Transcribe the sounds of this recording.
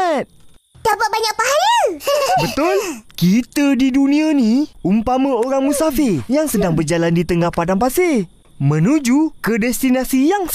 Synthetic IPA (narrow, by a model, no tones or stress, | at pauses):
t̪̚d̥apat̪̚baɲak̚paɦaləbət̪ʊlkit̪ədidunĩanĩumpamə̃oɾaŋmũsafɪrjaŋsədaŋbərd͡ʒalandit̪əŋahpadampase | mə̃nũd͡ʒukədɛst̪inasijaŋ